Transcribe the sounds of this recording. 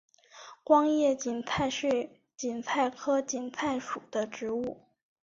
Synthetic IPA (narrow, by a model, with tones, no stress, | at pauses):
kwɑ˥ŋjɛ˥˩t͡ɕi˨˩nt͡sʰa˥˧ɪʂe˥˩ɪ | t͡ɕi˨˩nt͡sʰa˥˩ɪkʰɤ˥t͡ɕi˨˩nt͡sʰa˥˩ɪʂu˨˩d̪̥ə˦ʈ͡ʂɻ̩˧˥u˥˩